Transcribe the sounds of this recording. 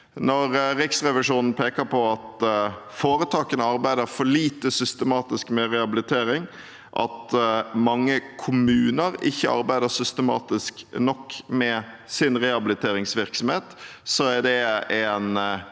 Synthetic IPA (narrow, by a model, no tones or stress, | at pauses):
nɔɾɾɪksʁɛʋɪʂuːnn̩pʰeːkəɾpʰɔɑt̪foːɾət̪ʰɑːkənəɑɾbæɪd̪əɾfɔɭiːt̪əsʏst̪əmɑːt̪ɪskmɛɾɛɑbɪlɪt̪ʰeːɾɪŋ | ʔɑ̰t̪mɑŋːəkʰʊmʉːnəɾɪ̰çːəʔɑ̰ɾbæɪd̪əsʏst̪əmɑ̰ːt̪ɪsknɔkːmɛ | sɪnɾɛhɑbɪlɪt̪ʰeːɾɪŋsʋɪɾksɔmheːt̪sɔæɖɛæn